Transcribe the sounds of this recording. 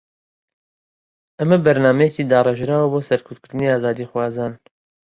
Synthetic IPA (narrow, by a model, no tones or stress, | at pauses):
ʔɐmɐbɐɾnaːmɛjeciːd̪aːrˤɛʒɾaːwɐboːsɐɾkʰʊɾt̪̚kʰɨɾd̪ɨniaːzaːd̪ixwɑːzaːn